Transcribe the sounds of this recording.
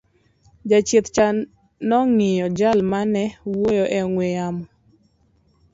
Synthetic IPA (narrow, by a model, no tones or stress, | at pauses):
d͡ʒat͡ʃet̪t͡ʃa | nɔŋɪjɔd͡ʒalmanɛwojoʔɛŋwejamɔ